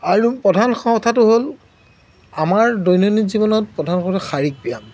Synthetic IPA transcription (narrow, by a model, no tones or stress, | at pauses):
aɹupɔdʱanxɔɔtʰatʊɦol | amaɹdojnonikzibɔnɔt̚pɹɔdʱanxɔ̃tɔxaɹik̚pijam